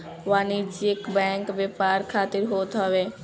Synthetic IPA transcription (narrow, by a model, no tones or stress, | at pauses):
ʋaːnid͡ʒɪkbɛ̃ːŋkʋepaːɾkʰaːt̪ɪɾɦoːt̪ɦəʋeː